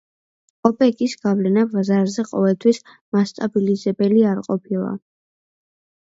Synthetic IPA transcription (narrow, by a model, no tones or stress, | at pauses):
ɔpʼɛɡisɡavlɛnabazaɾzɛqʼɔvɛlˠt̪ʰwis | mast̪ʼabilizɛbɛliaɾqʼɔpʰilˠa̰